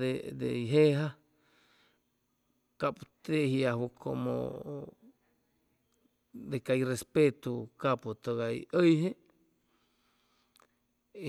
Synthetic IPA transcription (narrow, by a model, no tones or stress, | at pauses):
ed̪ḛiɦeɦa | kaput̪ehjahwukʰo̰mo̰ | d̪ekajrespet̪ukaput̪oɣaḭəjɦe